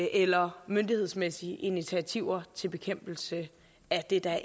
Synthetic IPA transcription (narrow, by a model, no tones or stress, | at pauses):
ʔelɐmønd̥ihḛsmesiəʔinit͡sʰiæt͡sʰiʊ̰ɐt͡sʰe̝lb̥e̝kʰem̰b̥l̩sə | æd̥e̝d̥ɑ